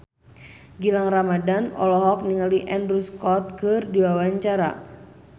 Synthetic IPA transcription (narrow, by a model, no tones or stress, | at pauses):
ɡilaŋramadanɔ̰lɔɦɔk̚niŋaliʔɛndɾuskɔt̪̚kɨrdiwawaɲt͡ʃaɾa̰